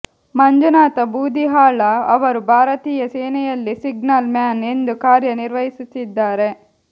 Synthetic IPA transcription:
mɐɲd͡ʒɐnaːt̪ɐbuːd̪iɦaːɭɐɐʋɐɾubʱaːɾɐt̪iːjɐsɛːnɛjɐlːisiɡnɐlmjaːne̞nd̪ukaːɾjɐniɾʋɐɦisut̪ːid̪ːaːɾe̞

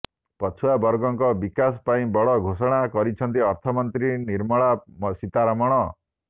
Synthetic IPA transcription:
pɔt͡ʃʰuabɔɾɡɔŋkɔbikas̬ɔ̥paĩbɔɭɔɡʱosɔɽ̃akɔɾit͡ʃʰɔnt̪iɔɾt̪ʰɔmɔnt̪ɾiniɾmɔɭasit̪aɾamɔɽ̃ɔ

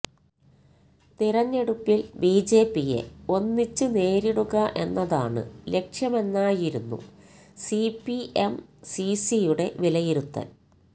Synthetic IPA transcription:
t̪iɾɐɲːe̞ɽupːilbiːd͡ʑe̞ːpːije̞̰o̞nːit͡ɕːɨne̞ːɾiɽuɣɐʔe̞nːɐðaːɳɨ̰le̞kʂjɐme̞nːaːjiɾunːṵsipːiemsisijuɽe̞ʋilɐjiɾut̪ːɐ̰n

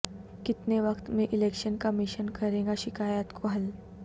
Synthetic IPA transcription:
kit̪neʋəkt̪meʔilekɕənkəmiɕənkʰəɾẽɡaɕikajat̪koal

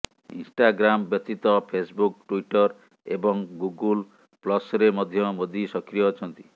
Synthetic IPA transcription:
ḭnsʈaɡɾambjɔt̪ːit̪ɔpʰesbuk̚ʈuiʈɔɾ | ḛbɔŋɡuɡul | plɔsɾemɔd̪ʱjɔmod̪ʱisɔkɾijɔt͡ʃʰɔnt̪i̥

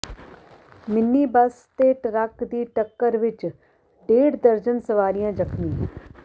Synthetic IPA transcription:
mɪnːiːbəs | t̪eːʈɾəkd̪iːʈəkːəɾʋɪt͡ʃ | ɖeːɽd̪əɾd͡ʒənsəʋaːɾijãːd͡ʒəkʰnĩː

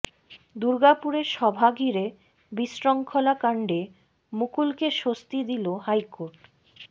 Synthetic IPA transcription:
d̪uɾɡapuɾeɾʃɔbʱaɡʱiɾe | bisɾɔŋkʰolakaɳɖe | mukulkeʃost̪id̪iloɦajkoɾʈ

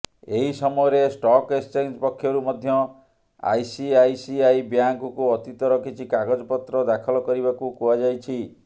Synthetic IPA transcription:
eɦisɔmɔjɔɾesʈɔkest͡ʃend͡ʒpɔkʰːjɔɾumɔd̪ʱjɔ | a̰jsiajsiajbjaŋkɔkuɔt̪it̪ɔɾɔkit͡ʃʰikaɡɔd͡ʒɔpɔt̪ɾɔd̪akʰɔlɔkɔɾibakukuad͡ʒajt͡ʃʰi

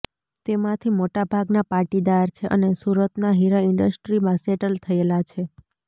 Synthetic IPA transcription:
t̪emãt̪ʰimoʈabʱaɡnapaʈid̪aɾt͡ʃʰeʔə̰nesuɾət̪naɦiɾaɪɳɖəsʈɾimãseʈəlt̪ʰəelat͡ʃʰe

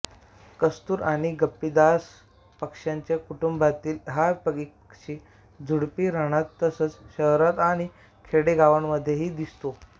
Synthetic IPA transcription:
kəst̪uːɾaɽ̃iɡəpːid̪as | pəkʂjaɲt͡ɕekuʈumbat̪iːlɦapəɡik̚pəkʂiː | d͡zʱuɽpiːɾəɽ̃at̪ːəsət͡sɕəɦɾat̪aɽ̃i | kʰeɽeɡaʋəɳməd̪ʱːjeɦiːd̪ist̪o

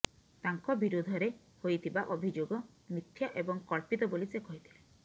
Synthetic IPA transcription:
t̪aŋkɔbiɾud̪ʱɔɾe | hojt̪ʰibaʔobʱid͡ʒoɡɔ | mɾit̪ʰːjɔʔebɔŋkɔɭpit̪ɔbolisekɔɦit̪ʰi̥le

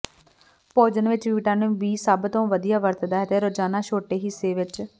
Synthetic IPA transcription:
poːd͡ʒənʋɪt͡ʃʋiːʈaːnũːbiːsaːbt̪õːʋəd̪ijaːʋəɾt̪d̪aːɦɛt̪eːɾoːd͡ʒaːnaːʃoːʈeːɦiːseːʋɪt͡ʃ

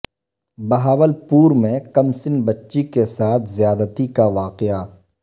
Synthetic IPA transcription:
bɐɦaːʋəlpuːɾmẽkɐmsɪnbɐtːʃikesaːt̪ʰzjaːd̪ət̪ikaʋaːqɪaː

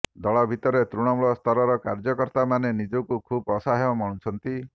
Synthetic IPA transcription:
d̪ɔɭɔbʱit̪ɔɾet̪ɾuɽ̃ɔmuɭɔst̪ʰɔɾɔɾɔkaɾd͡ʒɔkɔɾt̪amanenid͡ʒɔkukʰubɔsaɦeɔmɔɽ̃ut͡ʃʰɔnt̪i

